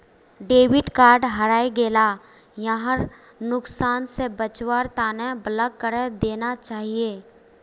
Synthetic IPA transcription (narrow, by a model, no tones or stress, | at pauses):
ɖeːʋɪʈkaːɾɖɦɐɾaːeɡeːla | jaɦəɾ | nʊksaːnsebət͡ʃwaːɾt̪aːnɛ̃bɐləɡ̚kəɾəd̪eːnat͡ʃaːɦieː